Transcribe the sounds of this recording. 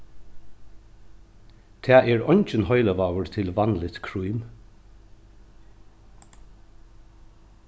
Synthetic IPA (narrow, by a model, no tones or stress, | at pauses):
t̪ʰɛːʔɛːɹɔɲt͡ʃənhɔʏləʋaːwəɹt̪ʰɪlʋɑnlɪt̪kʰɹujm